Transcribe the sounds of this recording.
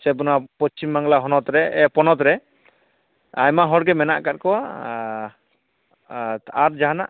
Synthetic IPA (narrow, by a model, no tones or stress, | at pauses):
sɛbunapɔt͡ʃimːaŋlaɦɔnɔt̪ɾɛɛpɔnɔt̪ɾɛ | ajmaɦɔɾɡɛmɛna̰ʔkat̚kɔwa | aɾd͡ʒaɦana̰ʔ